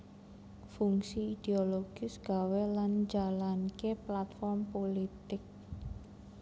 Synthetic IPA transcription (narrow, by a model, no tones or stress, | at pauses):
fuŋsiid̪̥eoloɡ̥isɡ̥a̤weland͡ʒalankeplat̪fɔrmpolit̪ɪk̚